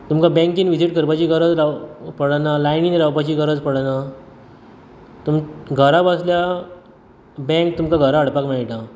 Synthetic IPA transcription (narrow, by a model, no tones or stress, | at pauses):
t̪umkabɛ̃ŋkiːnʋid͡ziʈkəɾbat͡ɕiːkəɾəd͡zɾawpəɽanalajniːnɾawpat͡ɕiːkəɾəd͡zpəɽana | t̪umɡʱəɾabəslja | bɛ̃ŋk̚t̪umkaɡʱəɾaəɽpakmɛɭʈa